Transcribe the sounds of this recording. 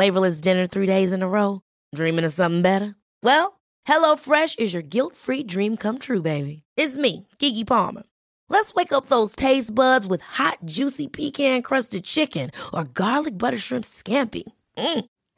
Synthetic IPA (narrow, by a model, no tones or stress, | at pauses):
leɪbə˞lɨs̬dɪ̃nə˞θɹiɾeɪzɨ̃nəɹoʊ | dɹĩmɨ̃ŋɨ̥sʌ̃mθɪ̃ŋbɛɾə˞ | wɛlˠ | hɛloʊfɹɛʃɨzjə˞ɡɪlˠtfɹidɹĩmkʰʌ̃mt̪ʰɹʉbeɪbiɪtsmiɡ̥iɡipʰɑ̰lmə̰˞ | lətsweɪkʌp̚ðoʊz̥tʰeɪsb̥ʌdzwɨð̥hɑt̚d̥ʒ̥ʉsipʰikʰæ̃nkʰɹ̥ʌstɨd̚t͡ʃʰɪkɨ̃nə˞ɡɑɹdˡlɨk̚b̥ʌɾə˞ʃɹ̥ɪ̃mpskæ̃mpḭ | m̩